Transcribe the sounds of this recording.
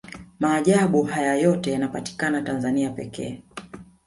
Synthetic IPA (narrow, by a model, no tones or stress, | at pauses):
maːʄaɓuhajajɔtɛjanapati̥kanatanzaniapɛkɛ̰ː